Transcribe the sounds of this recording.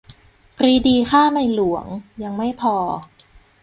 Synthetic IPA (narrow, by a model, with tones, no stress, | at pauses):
kɾiː˧diː˧kaː˥˩na˧jlu˨˩˦əŋja˧ŋma˥˩jpʰɔː˧